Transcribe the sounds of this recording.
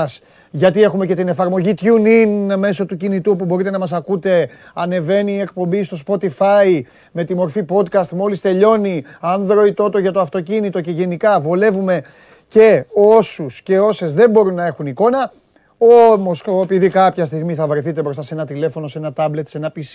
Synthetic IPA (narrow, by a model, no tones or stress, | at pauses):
s | ʝɐt̪ie̞xume̞ce̞t̪ine̞fɐɾmo̞ʝit̪çuninme̞so̞t̪ucinit̪uopubo̞ɾit̪e̞nɐmɐs̬ɐkut̪e̞ | ɐne̞ve̞niːe̞k̚po̞mbist̪o̞spo̞t̪ifɐi | me̞t̪imo̞ɾfipo̞d̪kɐst̪mo̞list̪e̞ʎo̞niɐnðɾo̞it̪o̞t̪o̞ʝɐt̪oɐft̪o̞cinit̪o̞ce̞ʝe̞nikɐvole̞vume̞ | ce̞osusce̞o̞se̞zðe̞mbo̞ɾunːɐe̞xuniko̞nɐ | o̞mo̞soepiðikɐpçɐst̪iɣmiθɐvɾeθit̪epɾost̪ɐse̞nɐt̪ile̞fo̞no̞se̞nɐt̪ɐble̞t̪se̞nɐpis